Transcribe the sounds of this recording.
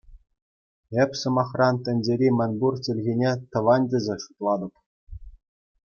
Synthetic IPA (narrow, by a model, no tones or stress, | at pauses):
epʲsɤ̆mɑχrɑnt̪ʲɘ̆nʲd͡ʑʲeɾʲimʲɘ̆nʲburt͡ɕʲɘ̆lʲɣʲinʲet̪ɤ̆ʋɑnʲdʲɘ̆zʲĕʂu̥t̪lˠɑd̪ɤ̆p